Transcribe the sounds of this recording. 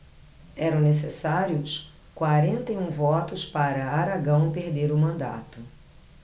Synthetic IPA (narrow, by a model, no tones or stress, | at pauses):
ɛɾɐ̃w̃nes̬esaɾjʊs | kwaɾẽnt̪ɐjũvɔt̪ʊspaɾɐaɾaɡɐ̃w̃peɾd̪eɾʊmɐ̃nd̪a̰t̪ʊ